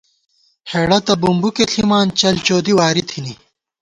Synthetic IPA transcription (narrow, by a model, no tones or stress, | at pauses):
heːɽɐt̪ɐbumbukeɬʰimaːnt͡ɕɐlt͡ɕoːd̪iwaːɾit̪ʰini